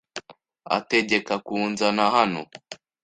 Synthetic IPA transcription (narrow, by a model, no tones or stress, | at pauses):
a̰teʄekakunzanahano̰